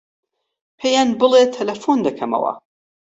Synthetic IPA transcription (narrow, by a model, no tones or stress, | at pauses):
pʰejanbɨlˠet̪ʰːɐlɐfund̪ɐkʰɐmɐ̰wɐ̰